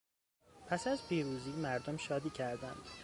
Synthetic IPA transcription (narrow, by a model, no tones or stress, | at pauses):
pʰæsæzpʰiːɾuːziːmæɾd̪omʃɒːd̪iːcʰæɾd̪ænd̪̥